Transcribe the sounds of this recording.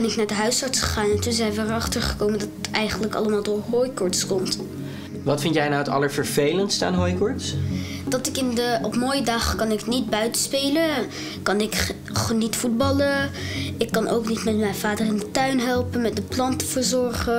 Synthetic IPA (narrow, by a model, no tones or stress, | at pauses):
ɛnɪknaːɹdəɦœɥsɑɹtsχə̥χaːnɛntunzɛjnʋəɹɑχtəɹχə̥kowməndɑtətɛjχəndləkɑ̰ləmaːlˠdʊːɹɦojkɔɹtskɔmt | ʋɑtfɪntjɛjnawətɑ̰ləɹvəɹvejlənstəa̰ːnɦojkɔɹts | dɑtɪkɪndəɔpmoːjədɑχkɑnɪknit̚bœɥtəspejlə | kɑnɪk | χənitfud̚bɑləɪkːɑnʔo̰wknitmɛtmɛjnvaːdərɪndətœɥnɦɛlˠpənmɛt̚dəplɑntəv̥əɹzɔɹχə